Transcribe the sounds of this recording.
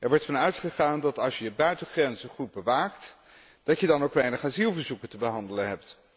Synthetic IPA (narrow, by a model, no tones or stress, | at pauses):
ʔɛɹʋɔɹtfɑnœɥtχəχaːndɑtɑlˠʃjəbœɥtəχrɛnzənχud̚bəʋaːkt | d̥ɑcjədɑnowkʋɛjnəχaːzilˠvəɹzukəntəbəɦɑndələnɦɛp̚t